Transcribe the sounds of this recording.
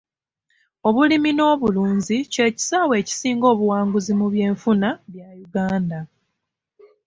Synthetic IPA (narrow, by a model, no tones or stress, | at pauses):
o̞βulimino̞ːβuluːnzice̞ːci̥saːwe̞ːci̥siːŋɡo̞ːβuwaːŋɡuzimuβje̞ːɱfunaβjajuɡaːnda